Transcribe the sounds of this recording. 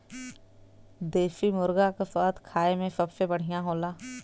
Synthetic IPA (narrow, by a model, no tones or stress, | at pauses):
d̪eːfimʊɾɡakesaːt̪kʰaːemẽfɐpfẽbɐɽ̤ɪjãɦoːlaː